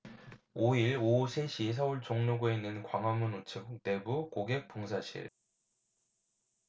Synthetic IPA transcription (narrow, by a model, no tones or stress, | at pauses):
oiɭosʰeɕʰis̬ʰʌuɭt͡ɕoŋnoɡoinːɯnkwaŋɦwamːunut͡ɕʰɯkk̚t͈e̞bukoɡe̞k̚p͈oŋsʰaɕʰḭɾ